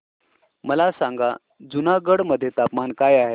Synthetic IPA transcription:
məlasãŋɡa | d͡zunaɡəɽməd̪ʱːjet̪apmankajaɦe

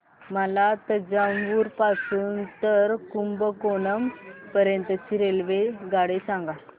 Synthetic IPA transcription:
məlat̪əd͡ʑamʋuːɾpasuːnt̪əɾkumbəkonəmpəɾjənt̪ət͡ɕiɾelʋeɡaɽesãŋɡa

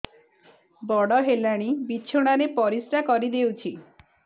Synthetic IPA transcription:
bɔɽɔɦelaɽ̃ibit͡ʃʰoɽ̃aɾepɔɾisʈakɔɾid̪ewt͡ʃʰi

